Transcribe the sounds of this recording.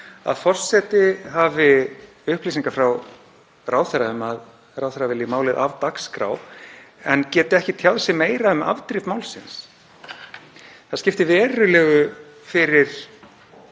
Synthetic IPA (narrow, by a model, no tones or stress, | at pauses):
a̰ðfɔr̥sɛt̪ɪɦavɪ | ʏhpliːsiŋkafɾaw | raːwθɛɾaʏmað | rawθɛɾavɪlɪmaːwlɪðʔa̰vt̪akskɾa̰w | ɛncɛːt̪ɪɛhcɪt̪ʰjawðsɪmeːjɾaʏma̰vt̪ɾɪvmaːwlsɪns | θaðscɪft̪ɪvɛːɾʏlɛːɣʏ | fɪɾɪɾ̥